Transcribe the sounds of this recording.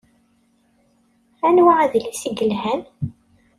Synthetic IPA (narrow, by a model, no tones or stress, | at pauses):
ænwaʕæðlisiɡəlhæn